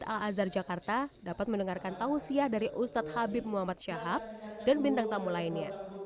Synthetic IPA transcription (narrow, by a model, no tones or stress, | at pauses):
t̪a̰lazard͡ʒakart̪adapat̪̚məndəŋarkant̪ausiahdaɾiʔust̪at̪̚habɪp̚muɦamat̪̚ʃaɦap̚danbint̪aŋt̪amulainɲa